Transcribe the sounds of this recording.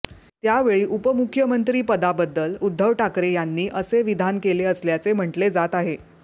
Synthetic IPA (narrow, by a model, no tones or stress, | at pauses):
t̪jaʋeɭiːʔupəmukʰːjəmənt̪ɾiːpəd̪abəd̪ːəlud̪ʱːəʋʈʰakɾejanːiːʔəseʋid̪ʱankeleəsljat͡sem̤əɳʈled͡zat̪aɦe